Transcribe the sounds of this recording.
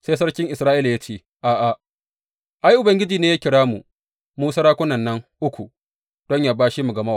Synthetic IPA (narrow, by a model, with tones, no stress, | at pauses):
seː˦js̬ɐ˦ɽkʲɪ˦ŋʔɪ˨sɾaː˦ʔi˦la˨ja˦t͡ʃeː˦ | ʔaː˨ʔa˨ | ʔa˦jʔʊ˨bɐ˨ŋɡʲɪ˦d͡ʒiː˨neː˦jaː˦kʲɪ˨ɽaː˦mu˨ | muː˦sɐ˦ɾaː˦kʷʊ˦nɐ˨nːɐ˦ŋʔʊ˦kʷu˨ | d̥ɔ˦ɲjaː˦baː˦ʃi˦mu˨ɡɐ˨mɐ˦waː˨